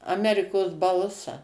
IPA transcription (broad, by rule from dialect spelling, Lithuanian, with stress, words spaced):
ɐˈmʲæːrʲɪkoːs ˈbɐlˠsɐ